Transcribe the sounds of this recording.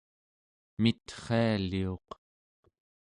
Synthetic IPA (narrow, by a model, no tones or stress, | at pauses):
mit̪χealio̞q